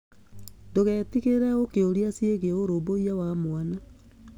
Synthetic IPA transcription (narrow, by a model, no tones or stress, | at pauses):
ndoɣɛːtiɣeɾɛokeoɾiasieɣeoɾoboiawamoana